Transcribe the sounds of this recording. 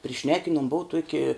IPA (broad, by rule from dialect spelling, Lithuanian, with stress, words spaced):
pʲrʲɪˈʃʲnʲæːkʲɪnuɔm ˈbʊʊ ˈtuɔkʲɪ